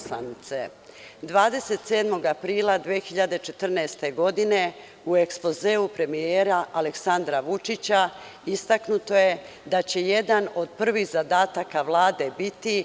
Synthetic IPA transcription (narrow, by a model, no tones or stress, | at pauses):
sa̰nit̪se | d̪ʋaːd̪e̞se̞t̪se̞ːd̪mo̞ɡapɾiːlˠad̪ʋiexiʎad̪e̞t͡ʃe̞t̪r̩nɛːst̪e̞ɡo̞d̪ine̞ | ue̞kspo̞zeːupɾe̞mijeːɾaʔaleksand̪ɾaʋut͡ʃit͡ɕa | ist̪aknut̪o̞je̞ | d̪at͡ɕe̞je̞d̪ano̞d̪̚pr̩ʋixzad̪aːt̪akaʋlˠaːd̪e̞bit̪i